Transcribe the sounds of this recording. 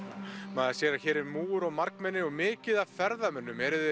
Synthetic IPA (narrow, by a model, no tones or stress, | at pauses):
maːðasjɛːɾaçɛːɾɪmuːʏɾɔɣmaɾkmɛnːɪɔɣmɪːcɪðavfɛɾðamɛnːʏmɛɾʏð